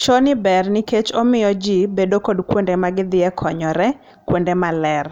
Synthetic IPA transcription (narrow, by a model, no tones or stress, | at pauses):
t͡ʃonɪbɛrnɪket͡ʃomɪjɔd͡ʒibedokodkwondemaɡɪd̪ɪɛkʰɔɲɔɾɛ | kwondemalɛr